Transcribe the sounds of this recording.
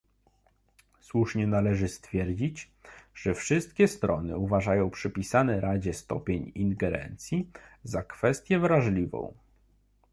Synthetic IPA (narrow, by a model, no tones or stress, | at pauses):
swuʂɲɛnalɛʐɘst̪fʲjɛɾd͡ʑit͡ɕ | ʐ̥ɛfʂɘst̪̚kʲɛst̪ɾɔnɘ̰uvaʐajɔ̃w̃pʂɘpʲisanɛɾad͡ʑɛst̪ɔ̰pʲjeɲinɡɛɾɛ̰nt̪sʲjizakfɛst̪ʲjɛvɾaʐlʲivɔ̰̃w̃